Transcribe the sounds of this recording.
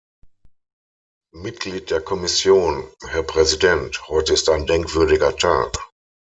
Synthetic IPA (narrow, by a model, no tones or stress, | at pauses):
mɪt̚ɡ̥liːt̚d̥eːɐkʰɔmɪsjoːnhɛɐpʁ̥ɛzidɛnthɔʏtəɪstaɪ̃ndɛŋkv̥ʏɐɾɪɡɐtʰa̰ːk